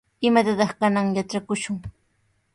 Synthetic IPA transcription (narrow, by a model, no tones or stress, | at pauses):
ɪmat̪at̪ɑχkanaŋjat͡ʃakʊʃʊŋ